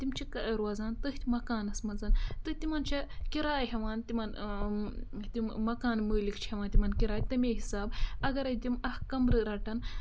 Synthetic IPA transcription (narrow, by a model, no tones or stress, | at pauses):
t̪imt͡ʃʰikɾwɐːzaːnt̪ɨɦt̪ʲmɐkaːnɐsmɐnzɐnt̪ɨt̪imant͡ʃʰɐkiɾaːjɦeʋaːnt̪iman | t̪imɐkaːnməːlikt͡ʃʰhʲɐʋaːnt̪imaːnkiɾaːjt̪ɐmʲeːɦisaːbɐɡɐɾɐjt̪imɐhkɐmɾɨɾaːʈɐn